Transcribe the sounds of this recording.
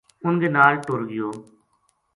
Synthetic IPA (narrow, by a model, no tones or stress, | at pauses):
ʊnɡeːnaːlʈoːɾɡɪjoː